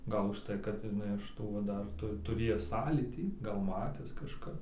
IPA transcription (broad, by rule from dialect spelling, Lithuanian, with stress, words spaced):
ˈɡɐlˠ ʊʃˈtɐɪ kɐt ɪˈnɐɪ ɪʃ ˈtuː ʋɐ ˈdɐr tʊ tʊˈrʲeːjæːs ˈsɑːlʲiːtʲiː ɡɐlˠ ˈmɑːtʲæːs kɐʃˈkɐ